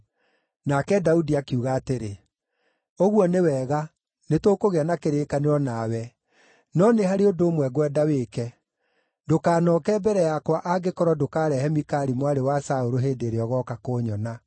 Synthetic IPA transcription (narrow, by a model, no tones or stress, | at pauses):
nakɛdaudiakeuɣaːteɾe | oɣwɔnewɛːɣa | netoːkoɣeanakeɾeːkaneɾɔnaːwɛ | nɔnehaɾeodoːmwɛɡwɛdawekɛ | dokaːnɔːkɛːbɛɾɛjakwaʔaɡekɔɾɔdokaːɾɛhɛmikaɾimwaɾewasaoɾoɦeːdeɾeɔɣɔːkakoːɲɔna